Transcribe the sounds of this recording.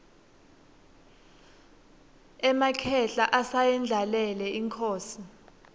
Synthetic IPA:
ɛmakʰɛɬaʔasajɛnd͡ɮʱalɛlɛiŋkʰoːsi

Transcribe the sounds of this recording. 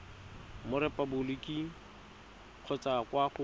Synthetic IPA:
mʊɾɛpʼabʊlɪkʼi | q͡χʰɔt͡sakwaχʊ

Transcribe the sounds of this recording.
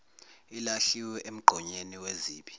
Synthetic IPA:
ilaɬiwɛʔem̩ɡ͡ǃʱɔɲeniweziːɓi̥

